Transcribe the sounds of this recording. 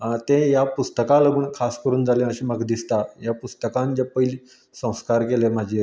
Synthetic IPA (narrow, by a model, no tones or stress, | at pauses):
t̪ẽjapust̪əkaləɡuːɳkʰaskəɾuːnd͡zaljẽəɕĩmaɡd̪ist̪ajapust̪əkãnd͡ʑapəjili | sə̃w̃skaɾkelem̤ad͡ʑʱi